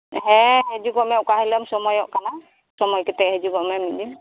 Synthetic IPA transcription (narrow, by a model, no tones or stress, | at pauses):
ɦɛ̃ɦɛzuɡɔmɛʊkahilamsɔmɔjɔʔkana | sɔmɔjkɛtɛhɛzuɡɔmɛmidim